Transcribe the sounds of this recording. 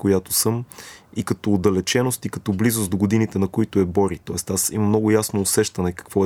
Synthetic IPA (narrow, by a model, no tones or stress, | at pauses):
kojat̪ʊ̥sɤmikɐt̪ɔːd̪ɐlɛt͡ʃɛnʊst̪ikɐt̪ɔblizʊst̪d̪oɡʊd̪init̪ɛnɐkoit̪ʊɛbɔɾit̪ɔɛst̪asḭmɐmnɔɡʊjasnoːsɛʃt̪ɐnɛkɐ̥kvɔ